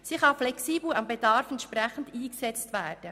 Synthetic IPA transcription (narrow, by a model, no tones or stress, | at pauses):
siχɑflɛksiːbl̩ɑmbɛdɑɾfɛntʃpɾɛχən̩diːksɛt͡stʋæːrd̥ə